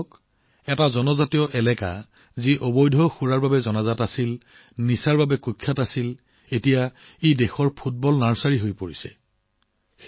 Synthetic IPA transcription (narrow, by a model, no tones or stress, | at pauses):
k | ɛtazɔnɔzatijɔʔɛlɛka̰ | ziʔɔbɔjdʱɔxuɹaɹbabɛzɔnazatasil | nisaɹbabɛkukʰːatasil | etija | edɛxɔɹpʰut̚bɔlnaɹsaɹiɦojpoɹisɛ̰